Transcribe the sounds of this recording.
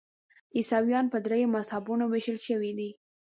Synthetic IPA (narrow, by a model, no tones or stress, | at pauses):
isɑwjɑnpəd̪ɾejomashabunoweʃəlʃəwid̪i